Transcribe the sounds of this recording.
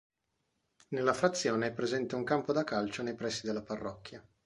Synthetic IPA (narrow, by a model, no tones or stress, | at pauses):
nelːafɾat̪sːjoːneɛpːɾezɛnt̪euŋkampod̪akalt͡ʃonejpɾɛsːid̪elːaparːɔ̰kʲːja